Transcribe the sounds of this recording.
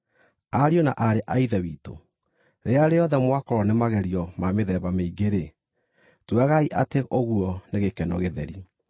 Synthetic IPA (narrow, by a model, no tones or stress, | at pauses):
aɾionaʔaɾeʔaiðɛwiːto̰ | ɾeaɾeɔðɛmwakɔɾɔnemaɣɛɾiɔmameðɛβameiɡeɾe | twaɣaiʔateʔoɣuɔneɣekɛnɔ̰ɣeðɛ̰ɾi